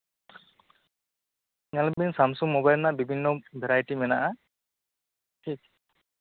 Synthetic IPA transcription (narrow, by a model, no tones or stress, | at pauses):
ŋalbinsamsumːɔbajlnaʔbibʱinːɔbʱɛɾajʈimɛnaʔa | ʈʰik̚